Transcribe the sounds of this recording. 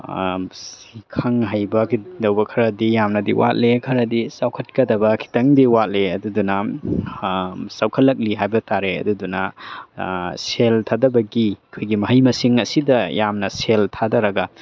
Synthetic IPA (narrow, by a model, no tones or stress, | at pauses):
s | ikʰɐŋɦajbɐkʰidɐwbɐkʰɐɾɐdijamnɐdiwʔa̰t̚lekʰɐɾɐdisawkʰɐt̚kɐdɐbɐkʰi̥tɐŋdiwat̚leɐdudunɐ | sawkʰɐlːɐk̚liɦajbɐtaɾeɐ̰dudunɐ | seltʰadɐbɐɡiɐkʰojɡimɐɦɐjmɐsiŋɐsidɐjamnɐseltʰadɐɾɐɡɐ